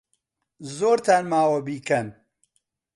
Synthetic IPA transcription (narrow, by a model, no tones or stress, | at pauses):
zoːɾt̪ʰaːnmaːwɐbiːkɐn